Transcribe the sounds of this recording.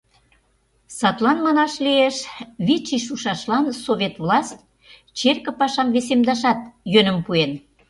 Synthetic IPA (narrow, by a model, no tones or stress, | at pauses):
sɑt̪lɑnmɑnɑʃlieʃβit͡ɕiʃ̬uʃɑʃlɑnsoβʲet̪vlɑsʲt̪ʲ | t͡ɕerkə̆pɑʃɑmβesemd̪ɑʃ̬ɑt̪jønə̆mpuen